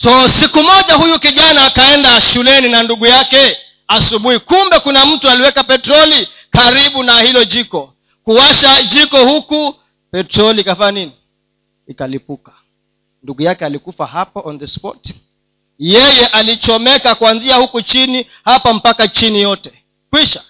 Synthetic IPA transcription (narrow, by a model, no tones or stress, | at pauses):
sɔsikumɔʄaɦujukiʄanaːkaɛndaʃulɛninanduɠujakɛ | asuɓuhikumbɛkunam̩tualiwɛkapɛtɾɔli | kaɾiɓunahilɔʄikɔ | kuwaʃad͡ʒikɔhuku | pɛtɾɔlikafaɲaniniː | kalipukḁ | nduɠujakɛalikufahapaʔɔnðəspɔ̰t | jɛjɛʔalit͡ʃɔmɛkakuanziahukut͡ʃini | hapam̩pakat͡ʃinijɔtɛ | kwiʃa